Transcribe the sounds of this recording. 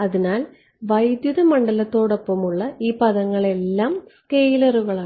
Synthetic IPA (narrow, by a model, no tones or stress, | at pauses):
ɐðinaːl | ʋɐjd̪juðɐmɐɳɖɐlɐt̪ːo̞ːɽo̞pːɐmuɭːɐiːpɐðɐŋːɐɭe̞lːaːmskejlɐruɣɐɭaː